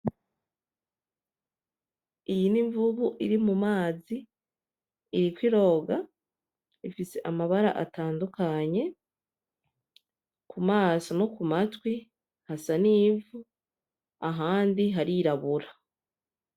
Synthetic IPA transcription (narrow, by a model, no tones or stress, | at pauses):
ijiniɱvuβuʔiɾimumaːzi | ɾikwiɾo̞ːɡa | ifise̞ʔamaβaɾa̰ʔa̰taːndukaɲe̞ | kumaːsono̞kumatwi | hasaniːvu | aɦaːndiɦaɾiɾaβuɾa